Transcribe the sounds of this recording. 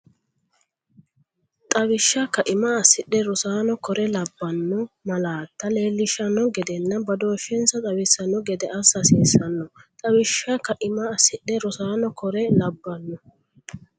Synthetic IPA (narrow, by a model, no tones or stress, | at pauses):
t̪ʼɐwɪʃːɐkːɐʔɪmɐɐsːɪɗɛɾʊsaːnɔkɔɾɛlɐbːɐnːɔmɐlaːt̪ːɐle̞ːlːɪʃɐnːɔɡɛd̪ɛnːɐbɐd̪o̞ːʃɛnsɐt̪ʼɐwɪsɐnːɔɡɛd̪ɛʔɐsːɐseːsɐnːɔt̪ʼɐwɪʃːɐkːɐʔɪmɐːsɪɗːɛɾʊsaːnɔkɔɾɛlɐbːɐnːɔ